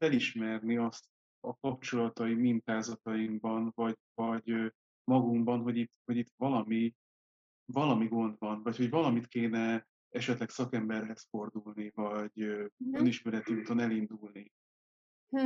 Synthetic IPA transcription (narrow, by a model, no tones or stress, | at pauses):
fɛliʃmɛrniɒst̪ | ɒkɒpt͡ʃo̞lɒt̪ɒimint̪aːzɒt̪ɒimbɒnvɒɟvɒɟ | mɒɡumbɒnɦo̞ɟit̪ːho̞ɟit̪vɒlɒmi | vɒlɒmiɡo̞nd̪bɒnvɒcho̞ɟvɒlɒmit̪keːnɛ | ɛʃɛt̪lɛksɒkɛmbɛrɦɛsfo̞rd̪ulnivɒɟøøniʃmɛɾɛt̪iuːt̪o̞nɛlind̪ulni | h